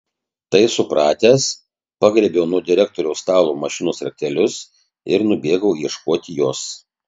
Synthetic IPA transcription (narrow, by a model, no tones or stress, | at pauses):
t̪ɐɪsʊpɾɑːt̪ʲæːs | pɑɡɾʲɛbʲɛʊnuɔd̪ʲɪɾʲɛk̚t̪oːɾʲɛʊst̪ɑːlˠoːmɐʃʲɪnoːsɾɐkʲɛlʲʊs | ɪɾnʊbʲeːɡɐʊiɛʃkoːt̪ʲɪjoːs